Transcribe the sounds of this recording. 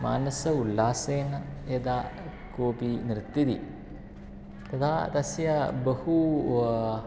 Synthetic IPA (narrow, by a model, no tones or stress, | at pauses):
ma̰ːnɐsɐulːaːseːnɐjed̪aː | koːpinɾɨt̪ːid̪i | t̪ɐt̪ʰaːt̪ɐsjɐbɐhu